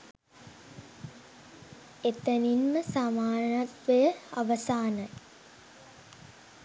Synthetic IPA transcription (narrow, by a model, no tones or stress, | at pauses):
et̪əninməsamaːnat̪ʋejəaʋɐsaːnə